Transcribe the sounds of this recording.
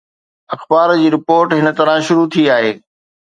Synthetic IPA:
ɐxbaːɾd͡ʑiːɾɪpoːɾʈɦɪnə̆t̪ɐɾãʃʊɾut̪ʰiaːɦeː

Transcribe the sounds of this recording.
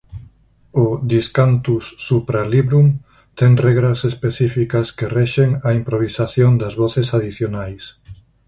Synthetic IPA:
ʊðiskant̪usːupɾaliβɾum | t̪ɛŋrɛɣɾɐsespeθifikɐskerɛʃeŋaimpɾoβ̞isaθjoŋd̪ɐzβɔθesaðiθjonajs

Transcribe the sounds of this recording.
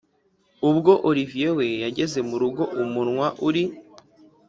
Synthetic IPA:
ubɡo̞ʔoɾivije̞we̞jaɟe̞ze̞muɾuɡo̞ʔumunŋwaʔuɾi

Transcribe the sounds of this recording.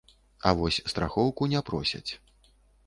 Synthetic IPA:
avɔsʲst̪ɾa̰xɔwkunʲɛpɾɔsʲɐ̰t͡sʲ

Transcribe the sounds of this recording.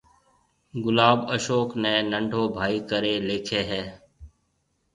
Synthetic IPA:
ɡʊlaːbəʃoːkneːnəɳɖʱoːbʱaːiːkəɾeːleːkʰeːɦɛː

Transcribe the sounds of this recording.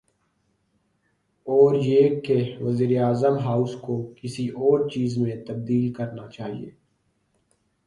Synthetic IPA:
ɔːɾjeːkeʋəziːɾeaːzəmɦaːʊskokɪsiʔɔːɾt͡ʃiːzmẽt̪ɐb̚d̪iːlkɐɾnat͡ʃaːɦḭḛː

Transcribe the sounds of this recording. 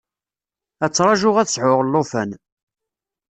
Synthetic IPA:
æt͡sːɾˤɑʒʊʁæθsʕʊʁlːofæn

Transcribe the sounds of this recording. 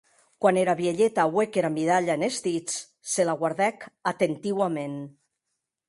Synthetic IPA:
kwaneɾaβjeʎet̪awekeɾamiðaʎaenezd̪it͡s | selaɣwaɾðɛkat̪ent̪iwamen

